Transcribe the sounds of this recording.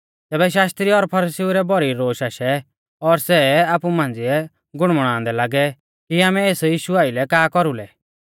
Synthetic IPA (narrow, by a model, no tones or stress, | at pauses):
t̪ɛːbɛʃ̬aːst̪ɾiɔɾpʰɐɾisiuɾɛbɔɾiɾoːʃaʃɛ | ɔɾsɛaːpumãːnd͡ziɛ | ɡʊɽ̃mɽ̃ãːnd̪ɛlaːɡɛ | kiaːmɛeːsjiːʃuaːɪlɛkaːkɔɾulɛ